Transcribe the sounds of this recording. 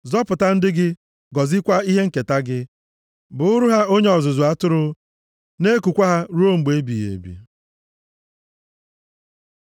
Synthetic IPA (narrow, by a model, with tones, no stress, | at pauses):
zɔ˦pʊ˨ta˦n̩˦dɪ˦ɡɪ˦ | ɡɔ˨zɪ˦kʷa˦i˦ɦe˦ŋ̩˦˨ke˨ta˦ɡɪ˦ | bʊ˨ʊ˦ɾu˦ɦa˦o˦ɲe˦ɔ˨zʊ˨zʊ˨a˦tʊ˦ɾʊ˦ | ne˦ku˨kʷa˦ɦa˦ɾu˦o˦ŋ͡m̩˨ɡ͡be˨˦bi˨jḛ˨bḭ˨